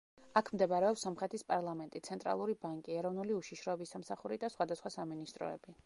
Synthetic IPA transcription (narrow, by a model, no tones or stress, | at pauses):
akʰmd̪ɛbaɾɛɔpsɔmχɾɛt̪ʰispʼaɾlˠamɛnt̪ʼit̪sʰɛnt̪ʼɾa̰lˠuɾibaŋkʼiɛɾɔvnuliuʃiʃɾɔɛbisːamsaχuɾid̪asχwad̪asχwasaminist̪ʼɾɔ̰ɛ̰b̥i